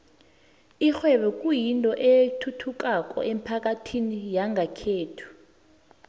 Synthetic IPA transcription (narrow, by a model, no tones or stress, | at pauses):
ixwɛɓɛkʼujintʼɔʔetʰutʰuk̬ʼakʼɔ̰ʔem̩pʰak̬ʼatʰinijaŋɡʱakʰeːtʰu̥